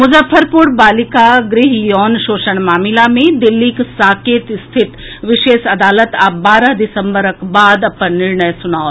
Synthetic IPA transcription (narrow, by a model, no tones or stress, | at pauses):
mʊzəfəɾpʊɾbaːlɪkaɡɾɪɦjɔːnʃoːʃəɳ̃maːmɪlamẽd̪ɪlːiksaːkeːt̪st̪ʰɪt̪ | ʋɪʃeːʃɐd̪aːlət̪abaːɾəɦd̪ɪsə̃mbəɾəkbaːd̪ɐpənːɪɾɳəjsʊnaːo